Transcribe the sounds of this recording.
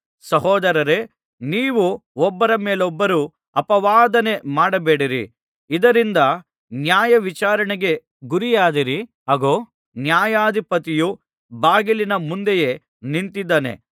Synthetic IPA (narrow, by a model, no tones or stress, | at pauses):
sɐɦɔːd̪ɐɾɐɾe̞ | niːʋuɔbːɐɾɐmeːlɔbːɐɾu | ɐpɐʋaːd̪ɐne̞maːɽɐbeːɽiɾḭ | id̪ɐɾind̪ɐ | njaːjɐʋit͡ʃaːɾɐɳɛɡe̞ | ɡuɾijaːd̪iɾi | ɐɡoː | njaːjaːd̪ʱipɐt̪iju | baːɡilinɐmund̪eje̞ | nint̪id̪ːaːne̞̰